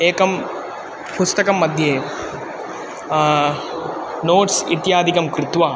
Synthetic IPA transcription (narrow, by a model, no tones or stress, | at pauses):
eːkɐm | pust̪ɐkɐmːɐd̪ʱjeː | noːʈsḭt̪jaːd̪ikɐmkɾɪt̪ʋaː